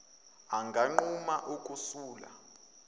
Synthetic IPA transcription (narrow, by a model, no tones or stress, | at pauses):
aŋɡʱaŋ͡ǃumaʔukʼusuːla̰